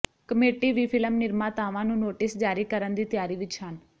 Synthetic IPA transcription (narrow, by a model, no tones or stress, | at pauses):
kəmeːʈiːʋiːpʰɪləmnɪɾmãːt̪aːʋãːnũːnoːʈɪsd͡ʒaːɾiːkəɾənd̪iːt̪jaːɾiːʋɪt͡ʃhən